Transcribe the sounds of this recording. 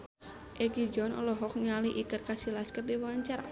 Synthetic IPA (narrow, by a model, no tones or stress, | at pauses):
ʔɛɡid͡ʒɔnɔ̰lɔɦɔk̚ɲaliʔikərkasilaskɛt̪̚diwaɲt͡ʃaɾa